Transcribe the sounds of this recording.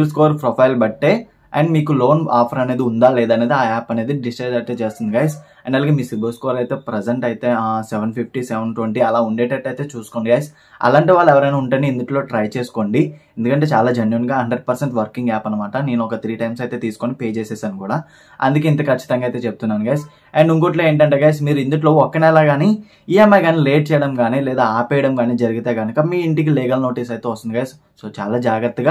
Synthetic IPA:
bls̬koːɾpɾɔpʰɐjlbɐʈːe̞ː | ɐ̰ɳɖmiːkulo̞ːnaːpʰɐɾɐne̞ːd̪iund̪aːlɛːd̪ɐne̞ːd̪iaːaːpɐne̞ːd̪iɖisʈɐjd͡ʒɐʈ̪eːt͡ʃeːst̪und̪iɡaːjs | ɐɳɖɐlaɡeːmiːsibilskoːɾɐjt̪e̞ːpɾɛzeɳʈɐjt̪e̞ːsɛʋɐnpʰip̚ʰʈisɛʋɐnʈweɳʈiɐlaːuɳɖeːʈɐʈːɐjt̪e̞ːt͡ʃuːsu̥koɳɖiɡaːjs | ɐ̰laːɳʈeʋaːɭːɛʋɐɾɐjnaːuɳʈaniːnd̪uʈilo̞ːʈɾɐjt͡ʃeːsu̥ko̞ɳɖiend̪ukɐɳʈe̞ːt͡ʃaːlaːd͡ʒɐnjuːnɡaːɦɐɳɖɾeɖ̚pɐɾseɳʈʋɐɾkiŋɡɛːpɐnːɐmaːʈɐne̞ːnuɔkɐt̪ɾiːʈɐjmsɐjt̪eːt̪iːsu̥konipeːt͡ʃeːsɛːsaːnukuːɽaː | ɐ̰nd̪ukeːint̪ɐkɐt͡ʃːit̪ɐŋɡaːjt̪e̞ːt͡ʃep̚t̪unːaːnuɡaːjs | eɳɖuŋko̞ːʈloːe̞ːɳʈɐɳʈeɡaːjs̬miːɾuind̪uʈ̬lo̞ːɔkːɐnɛlaːɡaːni | ijemːɐjɡaːniːleːʈ̚t͡ʃɛːjɐɽɐmɡaːnilɛːd̪aːaːpɛːjɐɽɐmɡaːniːd͡ʒɐɾuɡit̪eːɡɐnukɐmiːiɳʈik̬iliːɡɐlno̞ːʈiːsɐjt̪e̞ːʋɐst̪und̪iɡaːjs | soːt͡ʃa̰ːlaːd͡ʒaːɡɾɐt̪ːuɡaː

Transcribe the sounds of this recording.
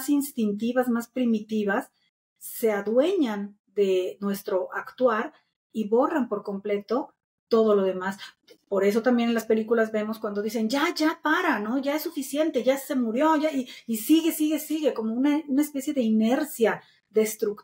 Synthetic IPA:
sinst̪int̪iβazmaspɾimit̪iβasː | e̞aðwe̞ɲan | d̪e̞nwe̞st̪ɾo̞ʔakt̪waɾ | iβo̞rampo̞ɾko̞mple̞t̪o̞ | t̪o̞ð̞o̞lo̞ð̞e̞mas | po̞ɾe̞s̬o̞t̪ambje̞nenlaspe̞likulazβe̞mo̞skwand̪o̞ðise̞nʝaʝapaɾano̞ʝaesːufisje̞nt̪e̞ʝase̞muɾjo̞ʝaiːsiɣe̞siɣe̞siɣe̞ko̞mounaunaespe̞sjeðe̞ine̞ɾsja | ðe̞st̪ɾuk

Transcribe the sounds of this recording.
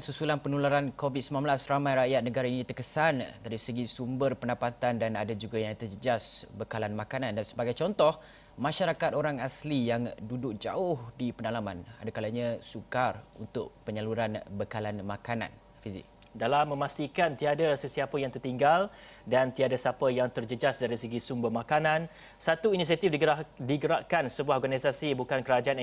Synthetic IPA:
susulanpənulaɾankovit̪̚səmanmbəlasramãjɾaʔjat̪̚nə̃ɡaɾainĩt̪ərkəsandaɾisəɡisumbərpəndapat̪andanadad͡ʒuɡajaŋt̪əd͡ʒəd͡ʒasbəkalanmãkanãndansəbaɡajt͡ʃɔnt̪ɔh | mãʃaɾakat̪̚oɾaŋaslijaŋdudʊk̚d͡ʒaʊhdipənalamã̰na̰dakalaɲãsukarṵnt̪ʊ̰ʔpəɲəluɾanbəkalanmãkanã̰n | fizḭk̚ | dalamːə̃mast̪ikant̪iadasəsiapəjaŋt̪ərt̪iŋɡal | dant̪iadasapəjaŋt̪ərd͡ʒəd͡ʒasdaɾisəɡisumbəhmakanãn | sat̪uinis̬iat̪ifdiadiɡəɾaʔkansəbuahɔrɡanisasibukankəɾad͡ʒaan

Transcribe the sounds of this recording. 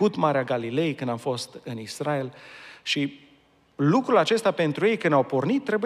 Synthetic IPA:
ut̪maɾeaɡalile̞jkɨnd̪amfo̞st̪ɨnisɾae̞lʃi | lukɾulat͡ʃe̞st̪ape̞nt̪ɾuje̞jkɨnawpo̞rnit̪ːɾe̞bu

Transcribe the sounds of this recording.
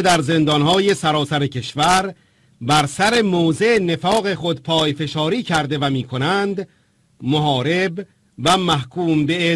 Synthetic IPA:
ed̪æɾze̞nd̪ɒnhɒːje̞sæɾɒːsæɾecʰe̞ʃvæɾ | bæɾsæɾe̞moːzene̞fɒːɣe̞xo̞d̪pʰɒːjfe̞ʃɒːɾiːcʰæɾd̪e̞væmiːkʰo̞nænd̪ | moɦɒːɾe̞b | væmæhkʰuːmbee

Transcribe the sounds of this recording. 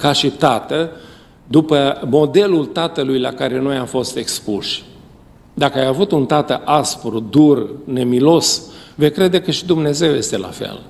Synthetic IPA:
kaʃit̪at̪ə | d̪upəmo̞d̪e̞lult̪at̪əlujlakaɾe̞no̞jamfo̞st̪e̞kspuʃ | d̪akəajavut̪unt̪at̪əʔaspɾud̪urne̞milo̞svejkɾe̞d̪e̞kəʃid̪umne̞ze̞wje̞st̪e̞la̰fḛl

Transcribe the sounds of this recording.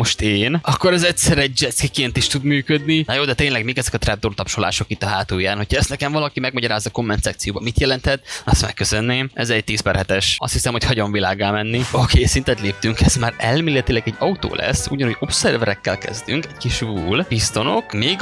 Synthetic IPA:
mo̞ʃt̪eːnɒkːo̞ɾɛzɛtʲsɛɾɛɟ̚d͡ʒɛt̪skikeːnt̪iʃt̪ud̪myːkød̪ninjoːd̪ɛt̪eːnlɛɡmikɛzɛkɒt̪rɛd̪ort̪ɒpʃola̰ːʃo̞kit̪ːɒɦaːt̪oːjaːnho̞cʰhɒɛst̪nɛkɛɱvɒlɒkimɛɡmɒɟɒɾaːzɒko̞mːɛnt̪sat̪sijoːbɒmit̪jɛlɛnt̪hɛt̪ɒst̪mɛ̰kːøsø̞nːeːmʔɛzɛɟ̚t̪iːspɛrhɛt̪ɛʃɒ̰st̪hisɛmho̞chɒɟoɱvilaːɡaːmɛnːiokʰeːsint̪ɛt̪leːp̚t̪yŋkɛz̥maːɾɛlmeːlːɛt̪ilɛɡɛɟːɒut̪o̰ːlʔɛ̰sːṵːɟɒnhoɟo̞psɛrvɛɾɛkːɛlkɛ̰zd̪yŋkɛɟkiʃvuːlbist̪o̞no̞̰kmeːɡ

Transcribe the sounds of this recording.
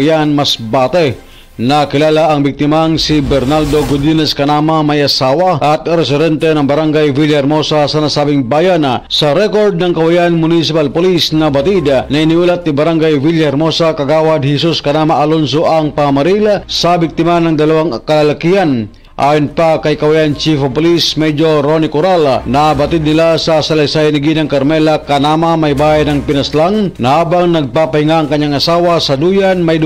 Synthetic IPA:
janmɐsbaːt̪ɛ | nɐkɪlaːlaʔɐŋbɪk̚t̪ɪmaŋsibɛɾnald̪oɡʊd̪inɛskɐnamɐmɐjɐsaːwɐʔɐt̪̚ɾɛsɪd̪ɛnt̪ɛnɐŋbɐɾaŋɡajviljaɾmo̞sasɐnasaːbɪŋbaːjansɐɾɛko̞ɾd̪̚nɐŋkɐwɐjanmʊnisɪpalpolisnɐbɐt̪id̪nɐɪniʔuːlɐt̪̚nibɐɾaŋɡajviljaɾmosakɐɡaːwɐd̪̚hɛsuskɐnaːmaʔɐlons̬oʔɐŋpɐŋɐmɐɾilsabɪk̚t̪imanɐŋd̪ɐlawaŋkɐlalakihan | ʔa̰jonpakajkɐwajant͡ʃifpolismɛd͡ʒoɾonikʊɾalanabat̪id̪̚nɪlasasalajsajniɡinaŋkɐɾmɛlakanamamajbaajnɐŋpɪnaslaŋnɐhabaŋnɐɡ̚papahiŋaːŋkɐɲːaŋɐsawasɐd̪ujanmaj

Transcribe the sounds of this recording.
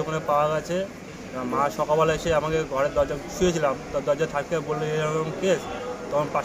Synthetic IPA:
ɔkonepaoaɡɛt͡ɕʰe | amaʃɔkabalaeʃeamakeɡʱɔɾeɾd̪ɔɾd͡ʑaʃujet͡ɕʰilamd̪ɔɾd͡ʑat̪ʰak̚kebolːeelnkest̪ɔkʰonpa

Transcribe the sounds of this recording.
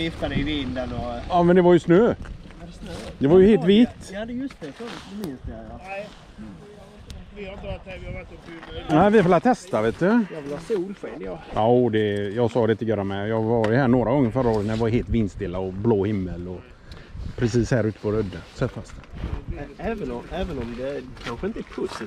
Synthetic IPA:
jɪft̪ad̪ɛɪvɪnd̪ənɔɑːmɛnd̪ɛvaɾjɵsnøː | d̪ɛvaɾjɵheːlt̪viːt̪ːd̪jst̪ɛmsd̪ | næɪvɪfɪlat̪ʰɛst̪aveːt̪d̪ɵjɑvɪlhɑːsuːlɧeːljɑʔad̪ɛjɑɡsɑːd̪ɛɪt̪əɔjœːɾamɛjɑːvɑːɾjəhæːɳoːɾaɡɔŋːənfœɾːaoːɾət̪næɾjɑvaɾɦeːlt̪vɪnst̪ɪlːaɔbloːhɪmːəlɔ | pʰɾɛsiːshæːɾʉ̟ːt̪ə̥pʰɔɾœd̪ːənsɛt̪fast̪ | ɛːvənɔɛːvənɔmd̪ɛkʰanɧəɪnt̪əæpʰɵs

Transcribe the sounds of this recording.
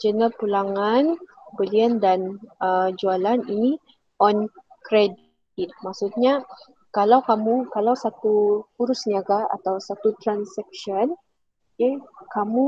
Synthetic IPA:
d͡ʒənəpulaŋanbəliəndanəd͡ʒualanini | ɔnkɾɛd | it̪̚maksut̪̚ɲa | kalawkamukalawsat̪uhuɾʊsniaɡaa̰t̪awsat̪ut̪ɾansɛk̚ʃən | kekamu

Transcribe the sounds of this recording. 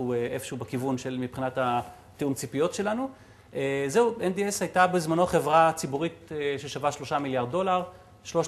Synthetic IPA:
ueʔefʃeubekivunʃe̞lmipχinatha | teumt͡sipijo̞tʃe̞lanu | ezeuendieshajtabezmano̞aχe̞vʁat͡sibuʁiteʃe̞ʃavaʃlo̞ʃamiljaʁd̚do̞laʁ | ʃlo̞ʃ

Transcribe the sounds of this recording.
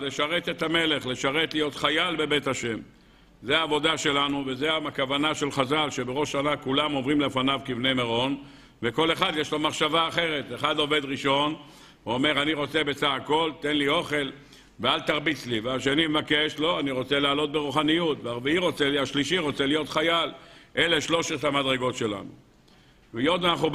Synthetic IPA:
leʃaʁet̪et̪ame̞le̞χle̞ʃaʁe̞t̪lijo̞t̪χajalbe̞be̞t̪aʃe̞m | zeaːvo̞d̪aʃe̞lanuvezeaakavanaʃe̞lχazalʃe̞beʁo̞ʃanakulamo̞vʁimle̞fanavkivnemeʁo̞n | veko̞le̞χad̪jeʃlo̞maχʃavaːχe̞ʁe̞t̪eχad̪o̞ve̞d̪ʁiʃo̞n | veome̞ʁaniʁo̞t͡se̞bet͡saχako̞lt̪e̞nlio̞χe̞l | vealt̪aʁbit͡sliveaʃe̞nimevakeʃlo̞aniʁo̞t͡se̞laːlo̞t̪̚beʁuχanijut̪veaʁveiʁo̞t͡seliaʃliʃiʁo̞t͡selijo̞t̪χajalʔe̞le̞ʃlo̞ʃet̪hamad̪ʁe̞ɡo̞tʃe̞la̰nṵ | vejod̪anaχu

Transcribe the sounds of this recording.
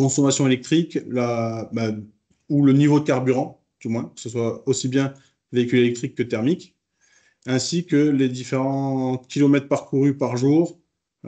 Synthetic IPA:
kɔ̃sɔmasjɔ̃elɛk̚t̪χiklaba | ulənivod̪əkaʁbyʁɑ̃ | d̪̥ymwɛ̃kə̥səswaosibjɛ̃ | veikʲylelɛk̚t̪χikːət̪ɛʁmik | ɛ̃sikəled̪ifeʁɑ̃kʲʰilɔmɛt̪χpaʁkuʁypaʁʒuːʁ

